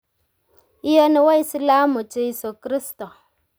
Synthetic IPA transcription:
i˦jo˦ni˨˦wa˦i˦si˦la˦mu˨t͡ʃe˦i˦so˨kɾi˦sto˨

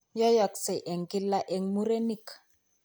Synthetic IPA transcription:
jɔ˦jɔ˨kse˨ʔɛ˨ŋki˦lːa˦ʔɛ˨ŋmu˦ɾe˦ni˦k

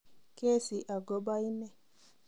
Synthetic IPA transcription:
ke˦˨si˨ʔa˨ɡɔ˦ba˦i˦nɛ˦

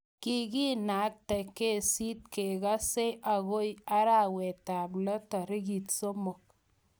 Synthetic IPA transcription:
ki˦ki˦na˨˦k̚te˨ke˦si˦t̚ke˨ka˦se˦ʔa˨ɣo˦ja˦ɾa˨we˨ta˨b̬lɔ˦ta˨ɾɪ˦ɡi˨tso˦mo˨k̚

